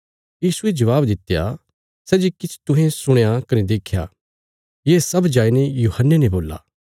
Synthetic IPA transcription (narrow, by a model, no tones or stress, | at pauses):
jiːsued͡ʒɐʋaːbd̪ɪt̪ːeja̰ | sɛːd͡ʒikɪt͡ʃʰt̪ʊɦẽsʊɽ̃ejakɐned̪eːkʰja̰ː | jeːsɐbd͡ʒaːinejuːhənːeneboːlːa̰ː